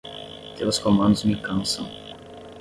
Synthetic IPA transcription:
t̪elɐskomɐ̃nd̪ʊzmikɐ̃nsɐ̰̃w̃

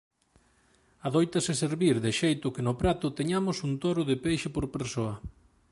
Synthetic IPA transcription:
aðojt̪ɐsɪseɾβiɾðɪʃejt̪ʊkɪnʊpɾat̪ʊt̪eɲamʊsunt̪ɔɾʊðɪpejʃɪpoɾpeɾsoɐ

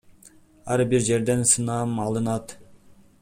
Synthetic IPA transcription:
æɾbiɾʒeɾd̪ɛnsɨnɑmɑlˠɨnɑt̪

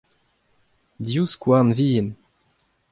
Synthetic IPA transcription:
d̪juskwanviːn

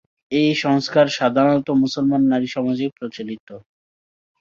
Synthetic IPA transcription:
ejʃɔŋskaɾʃad̪ʱaɾɔt̪omusolmanːaɾiʃɔmad͡ʑepɾot͡ɕalit̪o

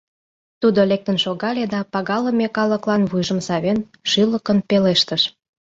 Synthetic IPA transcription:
t̪ud̪olek̚t̪ənʃoɣɑled̪ɑpɑɣɑləmekɑləklɑnβujʒəmsɑβen | ʃyləkənpeleʃt̪əʃ

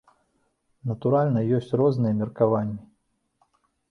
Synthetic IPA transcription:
nɐt̪uɾalʲnɐjɔsʲt͡sʲrɔznɨjɐmʲirkavanʲːi

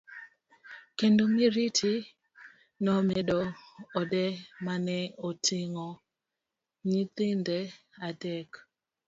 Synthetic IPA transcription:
kendomiɾitʰi | nɔmedɔːdɛmanɛotʰɪŋɔ | ɲit̪ɪndɛ | adɛk

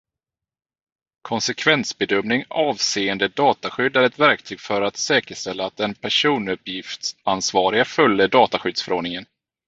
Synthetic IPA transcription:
kʰɔnsɛkʰvɛnsbɛd̪œmnɪŋɑːvseːənd̪əd̪ɑːt̪aɧʏd̪ːæɾɛt̪væɾk̚t̪ʰyːɡfœɾat̪sɛːkəʂtɛlːaːt̪̚d̪ɛnpʰæʂuːnɵpːjɪft̪ansvɑːɾɪɡafœljəd̪ɑːt̪aɧʏd̪sfœɾoːɖɳɪŋən

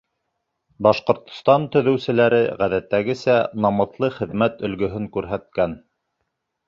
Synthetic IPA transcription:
bɑʃqŏɾt̪ŏ̥st̪ɑnt̪ɵ̆ðɵ̆wsɘ̆læɾɘʁæðæt̪ːæɡɘsænɑmɤ̆θlˠɤχɘ̆ðmæt̪ɵ̆lɡɵ̆ɦɵŋkʉɾɦæt̪̚kæn

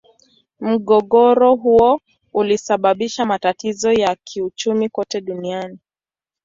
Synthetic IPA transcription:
m̩ɠɔɠɔɾɔɦuɔ | ulisaɓaɓiʃamatatizɔjakʰiut͡ʃumikɔtɛɗuniani

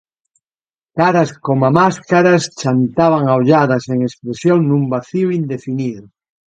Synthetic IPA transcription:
kaɾaskomamaskaɾast͡ʃant̪aβ̞aŋawʎaðaseŋespɾesjoŋnũmbaθioind̪efiniðʊ

